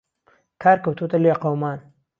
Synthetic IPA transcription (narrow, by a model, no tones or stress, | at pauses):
kʰaːɾkɐwt̪ʰut̪ɐljaqawmaːn